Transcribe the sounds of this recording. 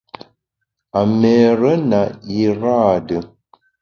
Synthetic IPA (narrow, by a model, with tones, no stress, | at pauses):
a˨mɛ˨ɾə˦na˨i˨ɾaː˦˨də˨